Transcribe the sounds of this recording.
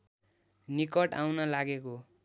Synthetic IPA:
nikʌʈa̰wnʌlaɡeko

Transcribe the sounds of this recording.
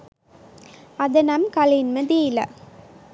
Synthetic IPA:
ɐðɐnɐmkɐlɪnmɐðijɪlɐ̰

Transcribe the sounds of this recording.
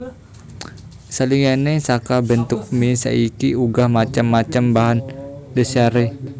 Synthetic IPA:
saliŋanesakabənt̪ʊk̚misa̰ikiuɡahmat͡ʃamːat͡ʃambaɦandəsaɾe

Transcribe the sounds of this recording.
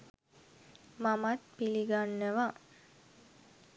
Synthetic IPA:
mamat̪̚piliɡanːəʋa

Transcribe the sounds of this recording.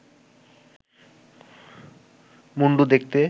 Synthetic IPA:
muɳɖud̪ek̚t̪e

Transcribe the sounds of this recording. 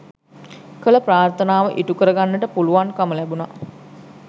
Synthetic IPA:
kələpɾaːrt̪ʰənaːʋəʔiʈukəɾəɡanːəʈəpuluʋankaməlɛbuna

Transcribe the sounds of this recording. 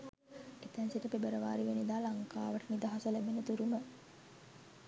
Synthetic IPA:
et̪ænsiʈəpebəɾəʋa̰ːɾiʋenid̪aːlaŋkaːʋəʈənid̪aɦasəlæbenət̪uɾumə

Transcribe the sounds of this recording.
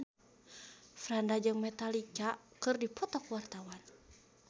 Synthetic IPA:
frandad͡ʒɨŋmɛt̪alikakɨrdipʰɔt̪ɔkuwart̪awan

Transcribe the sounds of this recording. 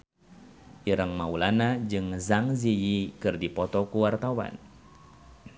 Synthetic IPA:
ʔiɾəŋmaulanad͡ʒɨŋzaŋzijikɨrdipɔt̪ɔkuwart̪awa̰n

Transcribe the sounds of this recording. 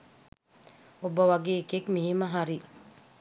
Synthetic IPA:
obəʋaɡeːkekmiɦiməɦaɾi

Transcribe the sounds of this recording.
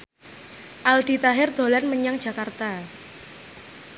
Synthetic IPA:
ʔald̪̥i̤t̪aɦɪrd̪̥o̤lanməɲaŋ̥ʒ̥ä̤kart̪a

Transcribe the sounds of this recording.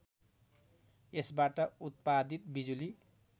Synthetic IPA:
esbaʈʌut̪̚pad̪it̪̚bid͡zuli

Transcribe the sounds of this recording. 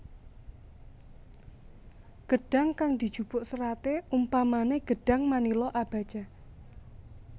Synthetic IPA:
ɡ̥əɖ̥a̤ŋkaŋd̪̥i̤d̥ʒ̥ub̥ʊʔsəɾat̪eumpamaneɡ̥əɖ̥a̤ŋmanilɔʔab̥a̤̥d͡ʒ̥a

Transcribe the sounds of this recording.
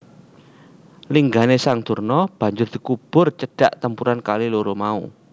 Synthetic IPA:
liŋɡanesaŋd̪̥ṳrnɔb̥a̤ɲd͡ʒʊrd̪̥i̤kub̥ʊ̤rt͡ʃəɖ̥a̤ʔt̪əmpuɾankaliloɾomaṵ

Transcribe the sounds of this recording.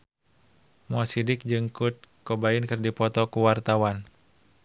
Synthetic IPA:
mɔsidɪk̚d͡ʒɨŋkut̪̚kɔbainkɨrdipɔt̪ɔkuwart̪awan

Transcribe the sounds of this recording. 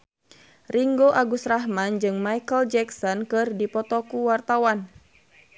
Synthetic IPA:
riŋɡoʔaɡusraɦmand͡ʒɨŋmajkəld͡ʒɛksɔnkɨrdipɔt̪ɔkuwart̪awan

